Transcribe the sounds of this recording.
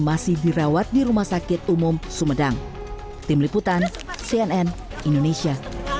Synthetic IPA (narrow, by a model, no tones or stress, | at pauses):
masɪhdiɾawat̪̚diɾumahsakɪt̪̚umʊmsumədaŋ | t̪ɪmliput̪an | siɛnɛn | indonesia